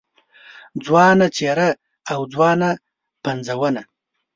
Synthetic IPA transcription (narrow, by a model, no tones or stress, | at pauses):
d͡zwɑnat͡ʃeɾaː | wd͡zwɑna | pand͡zawəna